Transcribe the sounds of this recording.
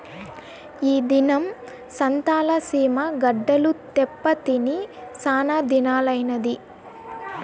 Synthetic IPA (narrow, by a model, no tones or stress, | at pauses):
iːd̪inɐm | sɐnt̪aːlɐsiːmɐɡɐɖːɐlut̪ɛpːɐt̪inisaːnaːd̪inaːlɐjnɐd̪i